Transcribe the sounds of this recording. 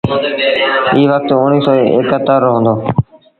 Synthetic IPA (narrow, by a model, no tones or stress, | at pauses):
iːʋək̚t̪ʊɳiːsɔːḛːkət̪ːəɾɦõːnd̪oː